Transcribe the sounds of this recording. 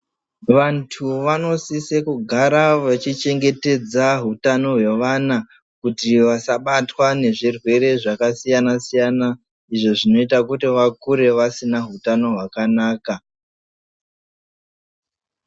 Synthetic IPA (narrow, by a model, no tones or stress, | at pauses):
ʋantʰuʋano̞sisekuɡʱaɾaʋat͡ʃit͡ʃe̞ŋɡe̞te̞d͡zaɦutano̞ɦwe̞ʋana | kutiʋasaɓatwane̞ʐirwe̞ɾe̞ʐakasijanasijana | iʐo̞ʐino̞itakutiʋakuɾe̞ʋasinaɦutano̞ɦwakanaːka